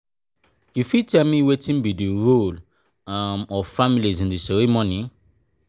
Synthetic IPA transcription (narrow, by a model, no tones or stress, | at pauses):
jufitɛmiwetĩnbidiɹol | amɔfamilizĩndisɔɾimɔ̃nĩ